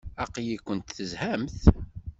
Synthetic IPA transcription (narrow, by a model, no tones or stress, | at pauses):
æqjikʷːənt̪θəzhæmθ